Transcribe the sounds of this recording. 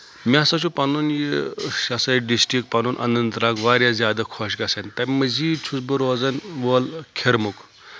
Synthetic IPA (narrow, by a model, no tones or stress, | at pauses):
mʲasɐt͡ʃʰupɐnunjiʃɐsɐɖisʈikpɐnunʔɐ̰nɐnt̪ɾaːkʋaːɾʲjazʲjaːd̪ɐkʰoʃɡɐsɐnt̪ɐmɐziːd̪t͡ʃʰusbɨɾoːzɐnʋoːlkʲʰeɾmuk